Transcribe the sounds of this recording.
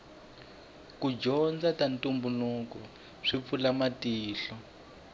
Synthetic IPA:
kud͡ʒɔnd͡zatantumbunukɔ | ʂip̪fulamatiːɬɔ

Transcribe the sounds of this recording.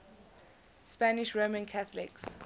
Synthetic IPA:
spanɪʃɹomə̃nkʰaθəlɪ̰ks

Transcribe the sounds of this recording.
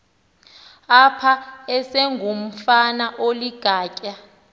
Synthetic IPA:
apʰaɛsɛŋɡʱum̩fanaʔoliɡ̥ʱaːcʼa

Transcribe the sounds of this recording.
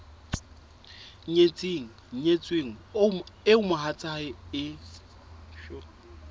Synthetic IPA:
ɲet͡sʼeːŋ̩ɲet͡sʼweŋ̩ɪʊmʊɦat͡sʼaɪɪ | ʃɔ

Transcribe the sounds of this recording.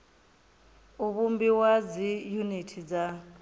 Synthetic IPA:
uβumbiwad͡zijunitʰid͡za

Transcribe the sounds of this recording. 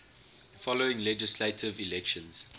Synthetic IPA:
fɔloɪ̃ŋlɛd͡ʒɪsletʰɪvilɛkʃə̃nz̥

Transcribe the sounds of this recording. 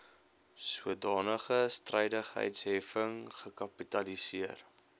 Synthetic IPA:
suədɑːnəχəstrəjdəχɦə̰jtsɦɛfəŋχəkɐpitɐlisiər

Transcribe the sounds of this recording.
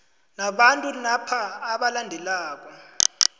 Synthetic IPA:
naɓantʼunapʰaːɓalandʱɛlaːk̬ʼɔ

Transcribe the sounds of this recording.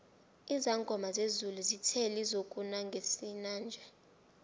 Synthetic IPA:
izaŋɡʱɔmazezuluzitʰɛlizokʼunaŋɡʱesinaːnd͡ʒʱɛ

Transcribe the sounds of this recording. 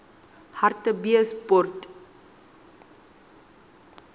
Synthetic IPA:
hɐrtəbiəspɔrt

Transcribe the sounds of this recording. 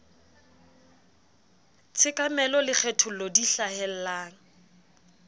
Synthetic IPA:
t͡sʰɪkʼamɛlɔlɪk͡xʰɛtʰʊlodiɬahɛl̩laːŋ̩

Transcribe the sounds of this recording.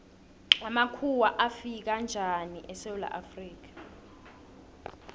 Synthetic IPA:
amakʰuwaʔafik̬and͡ʒʱaniʔɛsewula̰ʔafriːk̬ḁ

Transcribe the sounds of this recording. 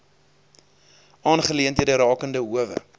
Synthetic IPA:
ʔɑːnχəliəntiədəɾɑːkəndəɦuəvə̰

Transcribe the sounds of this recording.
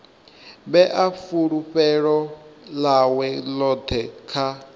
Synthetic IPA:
bɛʔafuɺuɸɛɺɔlawɛlɔt̪ʰɛkʰa

